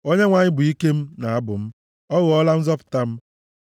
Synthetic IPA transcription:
o˦ɲe˦ŋʷa˨ɲɪ˦bʊ˨i˦ke˦m̩˦na˨a˦bʊ˨m̩˦ | ɔ˦ɣʊ˨ɔ˦la˦n̩˦zɔ˦pʊ̥˨ta˦m̩˦

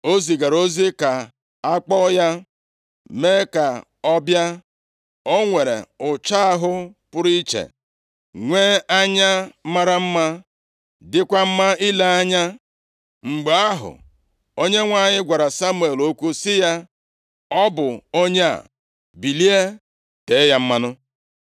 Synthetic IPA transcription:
o˦zi˨ɡa˨ɾo˦zi˦ka˨ | a˦k͡pɔ˦ja˦ | me˦ka˨ | ɔ˦bja˦ | o˦ŋʷe˨ɾḛ˨ʊ˨t͡ʃa˦a˦ɦʊ˦pʊ˦ɾi˦i˦t͡ʃḛ˨ | ŋʷeː˦a˦ɲa˦ma˦ɾa˦m̩˦ma˦ | dɪ˦kʷa˦m̩˦ma˦i˦le˦a˦ɲa˦ | ŋ͡m̩˨ɡ͡be˨a˦ɦʊ̰˨ | o˦ɲe˦ŋʷa˦˨ɲɪ˦ɡʷa˨ɾa˨sa˦mu˨e˨lo˦kʷu˦sɪ˦ja˦ | ɔ˦bʊ˨o˦ɲe˦a̰˨ | bi˨li˦e˦ | te˨˦ja˦m̩˦ma˦nʊ˦

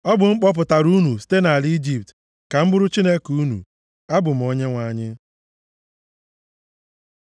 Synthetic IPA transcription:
ɔ˦bʊ˨ŋ͡m̩˦k͡pɔ˦p̬ʊ˨ta˨ɾu˦nu˨si̥˦te˦na˨li˦d͡ʒi˨p̚t | ka˨m̩˦bʊ˦ɾʊ˦t͡ʃi˦ne˦ku˦nṵ˨ | a˦bʊ˨m̩˨o˦ɲe˦ŋʷa˨ɲɪ˦

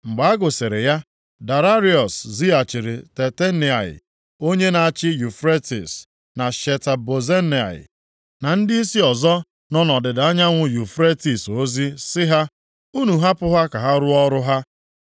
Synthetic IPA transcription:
ŋ͡m̩˨ɡ͡ba˨˦a˦ɡʊ˨se˨ɾe˨ja˦ | da˨ɾa˦ɾi˦ɔ˨szi˦a˨t͡ʃɪ˨ɾɪ˨te˨te˦ni˨a˨ɪ̰˨ | o˦ɲe˦na˨a˨t͡ʃɪ˦ju˨fɾe˦ti˨s | na˨ʃe˨ta˨bo˨ze˦n˨a̰˨ɪ̰˨ | na˨n̩˦dɪ˦i˦si˦ɔ˨zɔ˦ | nɔ˦nɔ˨dɪ˨da˦ɲa˦ŋʷʊ˨ju˨fɾe˦ti˨so˦zi˦sɪ˦ɦa˦ | u˦nu˨ɦa˦pʊ˦ɦa˦ka˨ɦa˦ɾʊ˦ɔ˦ɾʊ˦ɦa˦

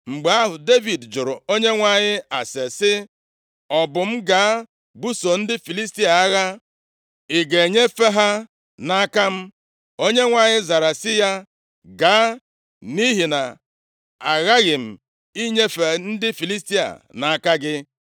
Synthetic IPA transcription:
ŋ͡m̩˨ɡ͡be˨a˦ɦʊ˨de˦vi˨dd͡ʒʊ˨ɾʊ˨o˦ɲe˦ŋʷa˨ɲɪ˦a˨se˨sɪ˦ | ɔ˨bʊ˨m̩˦ɡa˨˦ | bu˦so˨n̩˦dɪ˦fi˨li˦s̬ti˦a˨a˦ɣa˦ | e˨ɡe˨ɲe˦fe˦ɦa˦ | na˦ka˦m̩˦ | o˦ɲe˦ŋʷa˨ɲɪ˦za˨ɾa˨sɪ˦ja˦ | ɡa˨˦ | ni˦ɦi˨na˨ | a˨ɣa˦ɣɪ˨m̩˨ | i˦ɲe˦fe˨n̩˦dɪ˦fi˨li˦sti˦a̰˨na˨a˨ka˦ɡɪ˦

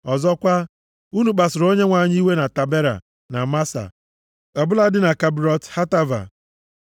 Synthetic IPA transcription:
ɔ˨zɔ˦kʷa˦ | u˦nu˨k͡pa˨sʊ˨ɾo˦ɲe˦ŋʷa˨ɲi˦i˦we˦na˨ta˨be˦ɾa̰˨ | na˨ma˦sa̰˨ | a˨bʊ˦la˦dɪ˦na˨ka˨bɾɔ˦tha˦ta˦va̰˨

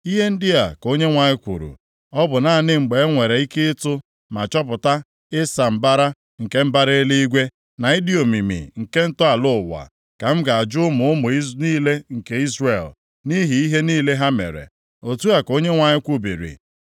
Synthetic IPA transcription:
i˦ɦe˦n̩˦dɪ˦a˨ko˦ɲe˦ŋʷa˨ɲɪ˦kʷṵ˨ɾṵ˨ | ɔ˦bʊ˨na˨˦˨nɪ˦ŋ͡m̩˨ɡ͡be˨˦ŋʷe˨ɾe˨i˦kɪ˦tʊ˦ | ma˨t͡ʃɔ˦p̬ʊ˨ta˦ | ɪ˦sa˨m̩˦˨ba˦ɾa˦ | ŋ̩˨ke˦m̩˦ba˦ɾe˦li˦i˦ɡʷe˦ | na˨i˦di˦o˨mi˨mḭ˨ŋ̩˨ke˦n̩˦tʊ˦a˨lʊ˦˨wa̰˨ | ka˨m̩˦ɡa˨a˨d͡ʒʊ˦ʊ˦mʊ˨ʊ˦mʊ˨i˦niː˦le˦ŋ̩˨ke˦i˦zre˨l | ni˦ɦi˨i˦ɦe˦niː˦le˦ɦa˦mḛ˨ɾḛ˨ | o˨tu˦a˨ko˦ɲe˦ŋʷa˨ɲɪ˦kʷu˦bi˨ɾḭ˨

